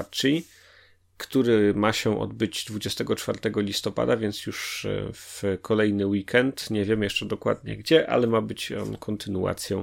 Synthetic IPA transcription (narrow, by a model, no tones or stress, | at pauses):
t͡ʂij | kt̪uɾɘmaɕɛʔɔ̰d̪̚bɘd͡ʑd̪vud͡ʑɛst̪ɛɡɔt͡ʂfa̰ɾt̪ɛɡɔlʲist̪ɔpa̰d̪avʲjɛnt̪sjuʂfkʰɔlɛjnɘwikʰɛnt̪ɲɛvʲjɛmjɛʂt͡ʂɛd̪ɔkwa̰d̪̚ɲɛ̰ɡd͡ʑɛʔa̰lɛmabɘt͡ɕɔ̰nkʰɔnt̪ʰɘnua̰t̪sʲjɔ̃w̃